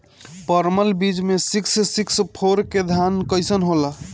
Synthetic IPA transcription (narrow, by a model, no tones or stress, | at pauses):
pəɾməlbid͡ʒmesikssikspʰoɾked̪ʱankəjsənɦolə